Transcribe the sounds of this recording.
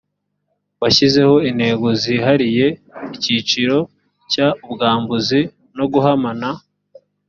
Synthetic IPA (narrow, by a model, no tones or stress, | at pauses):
βaçize̞ho̞in̥he̞ɡo̞ziɦaɾije̞icit͡ʃiɾo̞ | cauβɡaːmbuzi | no̞ɡuɦamana